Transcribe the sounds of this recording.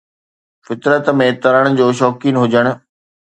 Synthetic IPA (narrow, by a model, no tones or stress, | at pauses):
fɪt̪ɾət̪mẽt̪ɐɾəɽ̃ʊ̆d͡ʑoːʃɔːkiːnɦʊd͡ʑəɽ̃ʊ̆